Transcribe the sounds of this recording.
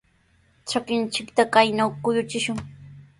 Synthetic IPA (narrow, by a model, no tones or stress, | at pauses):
t͡ʃakɪnt͡ʃɪkt̪akajnawkʊjʊt͡ʃɪʃʊŋ